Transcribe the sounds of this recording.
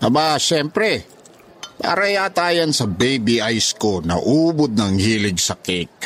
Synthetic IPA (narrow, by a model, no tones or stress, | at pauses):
ʔɐbaʃɛmpɾɛ | pa̰ɾɐjaːt̪aːjɐnsɐbejbiʔajskonɐ̰ʔuːbod̪̚nɐŋhiːlɪɡsɐkɛk̚